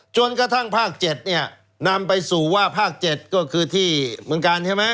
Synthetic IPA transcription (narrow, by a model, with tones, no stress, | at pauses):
t͡ɕo˧nkɾa˧t̪ʰa˥˩ŋpʰaː˥˩k̚t͡ɕe˨˩t̪̚ni˥˩ɐ | na˧mpa˧jsuː˨˩waː˥˩pʰaː˥˩k̚t͡ɕe˨˩t̪̚kɔː˥˩kʰɯː˧t̪ʰiː˥˩mɯ˧əŋkaː˧nt͡ɕʰa˥˩jma˦˥